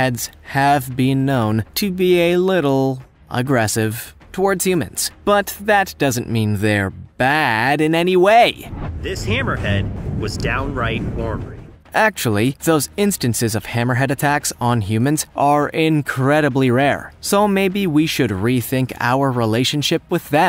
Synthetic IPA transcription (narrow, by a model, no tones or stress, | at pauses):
hɛdz̥ɨvbɪ̃nːõʊ̃ntʰɨbiɨlɪɾl̩ˠ | ʔə̰ɡɹɛsɪv̥ | tʰəwɔɹdz̥hjʉmɨ̰̃nz̥b̥ʌt̪̚ðɨt̚d̥ʌzɨ̃nmĩnðə˞b̥æɾɨ̃nɛniweɪðɪshæ̃mə˞hɛd̚wʌzdãʊ̃nɹaɪt̚wɔɹmə˞i | ʔæk̚t͡ʃul̩ˠiðoʊzɪ̃nstɨ̃nsɨzʌv̥hæ̃mə˞ɦɛɾɨtʰæksn̩ɦjʉmɨ̃nz̥ʔə˞ʔɪ̃nkʰɹ̥ɛɾɨbliɹɛɹsoʊmeɪbiwiʃɨd̚ɹiθɪ̃ŋkʰa̰ʊə˞ɹileɪʃɨ̃n̩ʃɪp̚wɨðɨ